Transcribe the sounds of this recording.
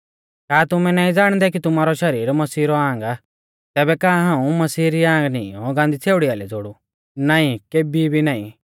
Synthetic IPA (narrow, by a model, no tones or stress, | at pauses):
kaːt̪ʊmɛ̃naːĩd͡zaːɽ̃d̪ɛk̬it̪ʊmaːɾɔʃɐɾiːɾmɐsiːɾɔãːŋɡa | t̪ɛːbɛkãːɦãːũmɐsiːɾiãːŋɡnḭɔ̃ɡãnd̪it͡sʰeːʊɽiaːlɛd͡zoɽu | naːĩkeːbibʱinaːḭ̃